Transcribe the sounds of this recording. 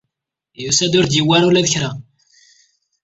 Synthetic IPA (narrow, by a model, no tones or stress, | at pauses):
jusæd̪ʊɾd̪jəwːaɾulæðəçɾa